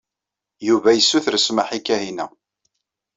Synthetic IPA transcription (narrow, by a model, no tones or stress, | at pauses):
juvæjəsːuθəɾsmaħikːæɦinæ̰